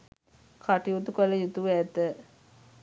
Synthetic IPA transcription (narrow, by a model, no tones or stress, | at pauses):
kʰaʈiut̪ukələjut̪uʋɛt̪ːə